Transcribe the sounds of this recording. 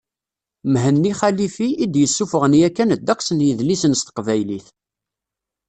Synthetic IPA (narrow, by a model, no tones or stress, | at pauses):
mɦənːiχælifiːd̪jəsːufəʁnjækːænəd̪ːæqsənjəðlisənst̪ə̥qvæjliθ